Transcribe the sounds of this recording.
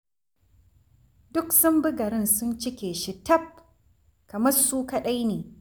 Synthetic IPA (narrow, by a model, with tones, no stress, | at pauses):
dʊ˦ksɐ˦mbɪ˦ɡɐ˨ɾɪ˦nsʊ˦nt͡ʃɪ˦kʲeː˨ʃɪ˨tɐ˦˨p̚ | kɐ˨mɐ˦rsuː˦kɐ˦ɗa˦jneː˨